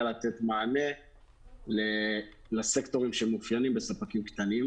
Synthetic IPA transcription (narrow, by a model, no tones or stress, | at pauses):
alat̪et̪maane̞ | le | lasekt̪o̞ʁimʃeemːufjanimbe̞sapakimkt̪anim